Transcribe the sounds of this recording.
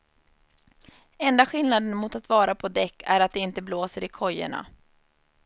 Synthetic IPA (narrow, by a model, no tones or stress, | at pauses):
ɛnd̪aɧɪlnad̪ənmʊt̪at̪vɑːɾapʰɔd̪ɛkːæɾat̪̚d̪ɛɪnt̪əbloːsəɾɪkʰɔjːə̰ɳa̰